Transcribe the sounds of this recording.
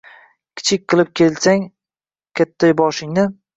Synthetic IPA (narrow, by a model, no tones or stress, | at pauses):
kʲʰɪ̥t͡ʃʰɪk̚ʲqʰɨlˠɪp̚kʲʰe̞lsaŋ | kʲʰat̪ʰːajbɒʃɪŋnɪ